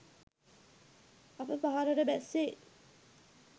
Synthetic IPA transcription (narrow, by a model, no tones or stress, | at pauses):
apəpaɦaɾəɾəbæsːe